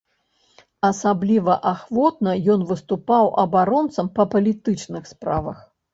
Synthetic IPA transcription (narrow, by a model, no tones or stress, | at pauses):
ɐsablʲivɐʔaxvɔt̪̚nɐjɔnvɨst̪upawʔɐbaɾɔnt̪sɐmpɐpɐlʲit̪ɨt͡ʂnɨxspɾavɐx